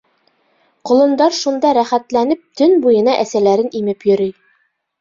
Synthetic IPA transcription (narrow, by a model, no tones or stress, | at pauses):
qŏlˠɤ̆nd̪ɑɾʃund̪ɑɾæχæt̪lænɘp̚t̪ɵnbujɤ̆nɑʔæsælæɾɘnimɘpjɵ̆ɾɘj